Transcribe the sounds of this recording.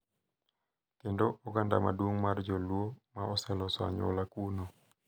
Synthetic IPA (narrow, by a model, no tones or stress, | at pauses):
kendoʔɔɡanda̰madwoŋmard͡ʒɔlwomaɔsɛlɔswa̰ɲo̰lakuno